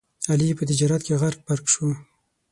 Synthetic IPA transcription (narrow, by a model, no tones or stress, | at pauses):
alipət̪ɪd͡ʒɑɾat̪̚keɣaɾk̚paɾkʃu